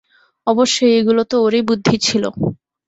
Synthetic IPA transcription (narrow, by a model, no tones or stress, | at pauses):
ɔboʃːojeɡulot̪ooɾebud̪ʱːit͡ɕʰilo̰